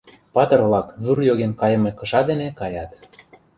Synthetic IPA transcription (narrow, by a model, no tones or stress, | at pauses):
pɑt̪ɤ̆rβlɑkzurjoɣenkɑjɤ̆mekɤ̆ʃɑd̪enekɑjɑt̪